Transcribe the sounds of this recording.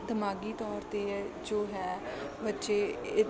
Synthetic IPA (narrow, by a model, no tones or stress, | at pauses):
d̪əmaːɡiːt̪ɔːɾt̪eːɛd͡ʒoːɦɛː | bətːʃeːɪ